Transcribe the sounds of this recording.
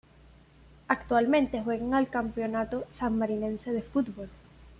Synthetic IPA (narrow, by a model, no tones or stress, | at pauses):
akt̪walmẽnt̪e̞xwe̞ɣaŋalkampeo̞nat̪osamːaɾinẽ̞nse̞ðe̞fut̪bo̞l